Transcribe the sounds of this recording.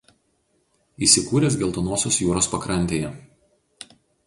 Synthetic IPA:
iːˑsʲɪkuːɾʲes̬ɡʲɛlˠt̪onuɔːsʲoːsjuːɾoːspɐkɾɐnʲt̪ʲeːjɛ

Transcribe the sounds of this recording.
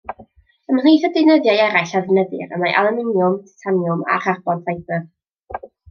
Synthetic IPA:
əml̥ijθədɪnəðjajɛɾajɬavnəðɨ̰ɾə̰maʔa̰lˠəmɪnjʊmtʰtʰanjʊma̰χarb̥ɔnsʰajθər

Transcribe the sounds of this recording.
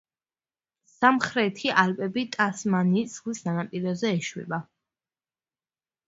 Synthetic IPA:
samχɾɛt̪ʰiʔalpʼɛbit̪ʼasmanit̪sʼχlisnanapʼiɾɛzɛɛʃwḭba

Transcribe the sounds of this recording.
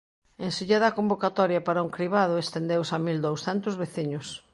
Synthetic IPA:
ẽnsiʎaðɐkombokat̪ɔɾjɐpaɾɐuŋkɾiβaðʊest̪end̪ewsɐmild̪owsθɛnt̪ʊzβeθiɲʊs

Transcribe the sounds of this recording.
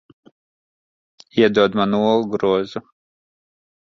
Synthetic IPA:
iɛd̪uɔd̪manuɔlˠuɡɾuɔzu

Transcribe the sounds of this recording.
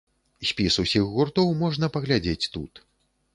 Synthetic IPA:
sʲpʲisusʲiɣɣurt̪ɔwmɔʐn̪ɐpɐɣlʲad͡zʲet͡sʲt̪ṵt̪

